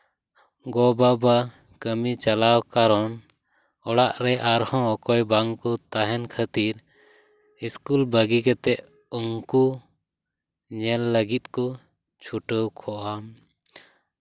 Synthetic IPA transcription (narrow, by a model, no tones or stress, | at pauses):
ɡɔbaba | kəmit͡ʃalawkaɾɔn | ɔɽaʔɾɛʔaɾhɔ̃ɔkɔjbaŋkɔt̪aɦɛnkʰat̪iɾ | iskulbəɡikɛt̪ɛʔ | uŋku | ɲɛlːəɡit̪̚ˀkɔ | t͡ʃʰuʈəwkʰɔʔam